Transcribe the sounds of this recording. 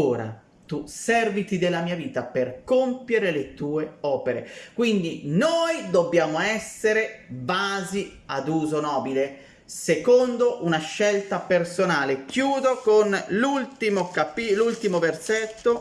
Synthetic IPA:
oːɾa̰ | t̪usɛrvit̪id̪elːamiːaviːt̪aperkompjeɾelet̪uːeɔːpeɾekwind̪inojd̪obːjaːmoɛsːeɾebaːzi | ad̪uːzonɔːbile | sekond̪oʔunaʃːɛlt̪apersonaːlekjuːd̪okonlult̪imokapilult̪imoverset̪ːo

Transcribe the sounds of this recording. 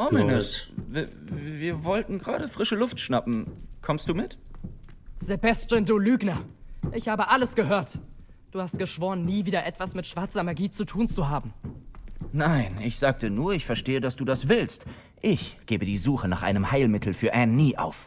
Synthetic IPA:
ʔɔmɪnəsv | viːɐvɔltn̩ɡʁa̰ːɾəfʁ̥ɪʃəlʊftʃnapm̩kʰɔmstd̥uːmɪt | z̥ebastənduːlyːɡnɐʔɪçhaːbəʔaləsɡ̥əɦøːɐt | d̥uːhast̚ɡ̥əʃv̥oːʁənːiːviːdɐʔɛtv̥asmɪtʃv̥aɐt͡sɐmaɐɡiːt͡sutʰuːnt͡suɦaːbm̩ | naɪnɪçz̥aːk̚tənuːɐɪçfɛɐʃteːədasd̥uːdasv̥ɪlst | ʔɪçɡ̥eːbədiːzuːxənaːχʔa̰ɪnəmhaɪlmɪtʰl̩fyːɐʔɛnːiːʔa̰ʊf

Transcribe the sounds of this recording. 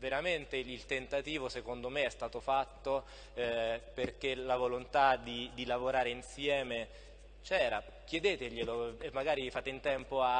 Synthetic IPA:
veɾament̪eilt̪ent̪at̪iːvosekond̪omeɛst̪aːt̪ofat̪ːo | perk̟elavolont̪ad̪id̪ilavoɾaːɾeinsjɛːme | t͡ʃɛːɾa | k̟jed̪eːt̪eʎeloemːaɡaːɾifaːt̪eint̪ɛmpoa

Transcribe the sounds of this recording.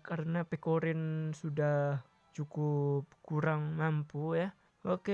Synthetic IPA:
kaɾənapekoɾɪnsudah | t͡ʃukup̚kuɾaŋmampuja | oke

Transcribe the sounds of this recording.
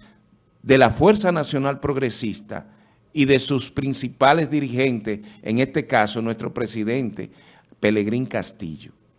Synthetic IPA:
d̪e̞lafwe̞ɾsanasjo̞nalpɾo̞ɣɾe̞sist̪a̰ | iðe̞suspɾinsipale̞zðiɾihe̞nt̪eseŋe̞st̪e̞kaso̞nwe̞st̪ɾo̞pɾe̞siðe̞nt̪e̞̰ | pe̞le̞ɣɾiŋkast̪ḭʝo̥

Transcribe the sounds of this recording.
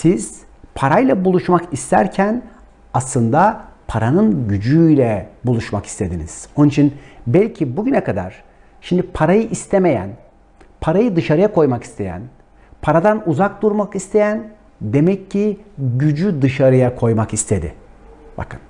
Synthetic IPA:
siz̥ | pʰaɾajlˠabulˠuʃmakist̪ʰæ̰ɾcʰæn | aslˠɯnd̪apʰaɾanɯnɟyd͡ʒyjlʲɛbulˠuʃmaki̥st̪ʰe̞d̪inḭz̥onnit͡ʃʰinbɛlʲcʰibuɟynɛkʰad̪a̰ɾ̥ | ʃimd̪ipʰaɾajɯʔist̪ʰeme̞jæ̰n | pʰaɾajɯd̪ɯʃaɾɯjakʰo̞jmaki̥st̪ʰe̞̰jæ̰n | pʰaɾad̪anuzak̚d̪uɾmakist̪ʰe̞jæn | d̪e̞mɛcʰːiɟyd͡ʒyd̪ɯʃaɾɯjakʰo̞jmakist̪ʰe̞d̪ɪ̰ | ba̰kʰɯn

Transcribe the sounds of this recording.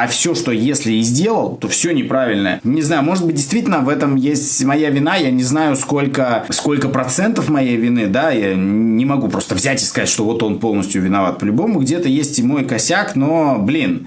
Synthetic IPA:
afsʲo̞ʂt̪o̞jesʲlʲɪizʲdʲe̞lˠəlˠt̪o̞fsʲo̞nʲɪpɾavʲɪlʲnəjə̰nʲɪznajʊmo̞ʐɨt̪̚bɨt̚ʲdʲɪst̪vʲitʲɪlʲnəvɛt̪əmjesʲtʲmɐjavʲɪnajanʲɪznajʊsko̞lʲkəsko̞lʲkəpɾɐt̪sɛnt̪əfmɐjejvʲɪnɨd̪ajanʲɪmɐɡupɾo̞st̪əvzʲætʲɪskɐzatʲʂt̪ovo̞t̪o̞npo̞lˠnəsʲtʲjʊvʲɪnɐvat̪̚pəlʲʊbo̞mʊɡdʲe̞t̪əjesʲtʲɪmo̞jkɐsʲakno̞blʲin

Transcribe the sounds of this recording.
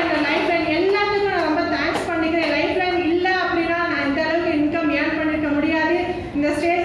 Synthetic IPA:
ɪnd̪ɐlɐɪplɐɪnɛlːaːt̪ːɯkːʊ̃nãːɾɔmbɐt̪aːkspɐɳːɪkːɪɾẽːlɐɪplɐɪnɪlːɐɐpːɐɽinãːnãːɪnd̪ɐɭɐʋɯkɯ̃ɪnkːɐmaːɳpɐɳːɪɾɯkːɐmʊɽɪjaːðɯ | ɪnd̪ɐsʈeːʈ

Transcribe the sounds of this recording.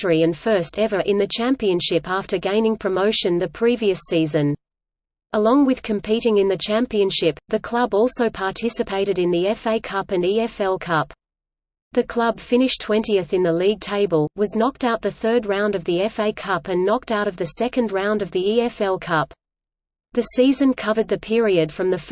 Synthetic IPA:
ə˞iɨ̃nfɜ˞stɛvə˞ʔɨ̃nðɨt͡ʃʰæ̃mpiɨ̃nʃɪpæftə˞ɡẽɪ̃nɪ̃ŋpʰɹ̥ɨmoʊʃɨ̃nðɨpʰɹ̥iviɨsizɨ̃n | əlɔ̃ŋwɨð̥kʰɨ̃m̩pʰiɾɪ̃ŋɨ̃nðɨt͡ʃʰæ̃mpiɨ̃nʃɪp̚ðɨkʰl̥ʌbɔlˠsoʊpʰɑɹtʰɪsɨpʰeɪɾɨɾɨ̃nðiɛfeɪkʰʌpɨ̃niɛfɛlˠkʰʌp | ðɨkʰl̥ʌb̥fɪ̃ñɨʃtʰw̥ɛ̃ntiɨθɨ̃nðəliɡ̚tʰeɪbəlˠwʌznɑk̚taʊt̪̚ðɨθɜ˞d̚ɹãʊ̃ndʌvðiɛfeɪkʰʌpɨ̃nːɑk̚taʊɾʌvðɨsɛkɨ̃ndɹãʊ̯̃ndʌvðiiɛfɛlˠkʰʌp | ðɨsizɨ̃nkʰʌvə˞d̪̚ðɨpʰɪɹiɨd̥fɹʌ̃mðɨf

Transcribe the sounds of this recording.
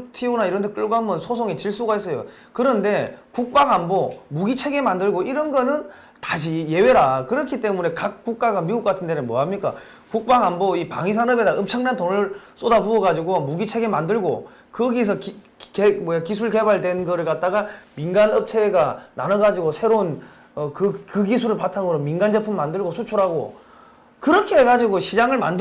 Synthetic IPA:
tʰiunaiɾʌntʰek͈ɯɭɡoɦamɯnsʰosʰoŋit͡ɕiɭs͈uɡais͈ʌjo̰ | kɯɾʌnde̞kuk̚p͈aŋambomuɡit͡ɕʰe̞ɡemandɯɭɡoʔiɾʌnɡʌnɯn | taɕ̬ʰije̞we̞ɾakɯɾʌkʰit͈e̞mune̞kak̚k͈uk̚k͈aɡamiuk͈̚atʰɯndenɯnmwʌɦamɲik͈a̰ | kuk̚p͈aŋamboipa̰ŋis̬ʰanʌbedaʌmt͡ɕʰʌŋnantonɯɭs͈odabuʌɡad͡ʑiɡomuɡit͡ɕʰe̞ɡemandɯɭɡo | kɯɡis̬ʰʌk | kemʌjakisʰuɭke̞baɭdwe̞nɡʌɾɯɭk͈at̚t͈aɡaminɡanʌp̚t͡ɕʰeɡananʌɡad͡ʑiɡosʰe̞ɾon | ʌkɯkɯɡis̬ʰuɾɯɭpatʰaŋɯɾominɡand͡ʑe̞pʰumːandɯɭɡosʰut͡ɕʰuɾaɡo̰ | kɯɾʌkʰeɦeɡad͡ʑiɡoɕʰid͡ʑaŋɯɭma̰nd

